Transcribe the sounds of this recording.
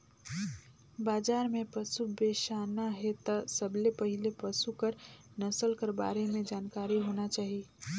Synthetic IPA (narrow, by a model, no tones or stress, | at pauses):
baːd͡ʒaːɾmẽpəsubeʃaːnaɦet̪əsəblepəɦɪlepəsukəɾ | nɐsəlkəɾba̰ːɾemẽd͡ʒaːnkaːɾiɦoːnat͡ʃaːɦi